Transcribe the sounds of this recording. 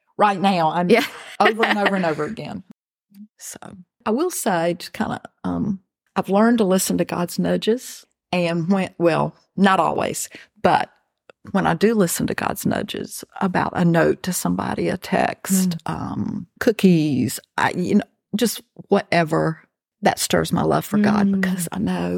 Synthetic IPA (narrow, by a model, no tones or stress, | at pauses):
ɹaɪtⁿnaʊãɪ̃moʊvə˞ɨnoʊvə˞ɨ̃noʊvə˞ɨɡɛ̰̃n | soʊ | ʔaɪwɪlˠseɪkʰãɪ̃ndə̰ʌ̃m | aɪvlɜ̃˞ntəlɪsn̩tɨɡɑ̰dz̥nʌd͡ʒɪz̥ | ɨ̃nwɨ̃wɛlˠ | nəɾɔ̰lˠwḭz̥b̥ʌ̰t̚ | wə̃ñaɪdɨlɪsn̩tʰɨɡ̥ɑ̰dz̥nʌ̰d͡ʒɨ̰z̥əbaʊɾʔɨnoʊtʰɨsʌ̃mbɑ̰ɾiɨtʰɛ̰kstʔʌ̰̃mkʰʊkiz̥ʔa̰ɪjɨnoʊ | d̥d͡ʒʌst̚wʌɾʔɛvə˞ | ðɨ̰tstɜ̰˞zmaɪlʌ̰v̥fə˞ɡɑ̰d̚bɨkʰʌz̥a̰ɪnoʊ